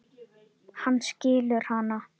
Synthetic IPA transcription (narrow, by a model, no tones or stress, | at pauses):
hanːscɪːlʏɾ̥hana